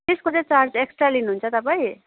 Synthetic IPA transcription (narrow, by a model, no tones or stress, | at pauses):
t̪eskod͡zet͡sard͡zeksʈralinuɦunt͡sʰʌt̪ʌpaĩ